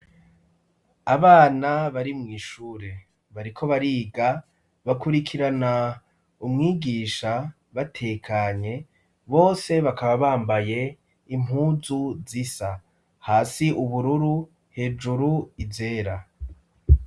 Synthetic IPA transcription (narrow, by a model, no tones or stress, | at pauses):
aβaːnaβaɾimŋiːʃuːɾe̞ | βaɾikʰo̞βaɾiːɡa | βakuɾikʰiɾana | umŋiːɡiːʃa | βatʰe̞kʰaɲe̞ | βo̞ːse̞βakaβaβaːmbaje̞ | im̥ɦuːzuzisa | haːsiʔuβuɾuɾu | he̞ːd͡ʒuɾuize̞ːɾa